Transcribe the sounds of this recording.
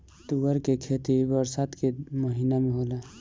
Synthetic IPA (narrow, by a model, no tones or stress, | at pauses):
t̪uɡəɾkekʰet̪ibəɾsat̪keməɦiːnamẽɦoːla